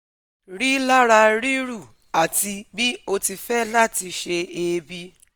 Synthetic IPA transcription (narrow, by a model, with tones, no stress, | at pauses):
ɾi˦la˦ɾa˧ɾi˦ɾu˦˨ | a˨ti˧bi˦o˧ti˧fɛ˦la˦˨ti˧ʃe˧e˧bi˧˦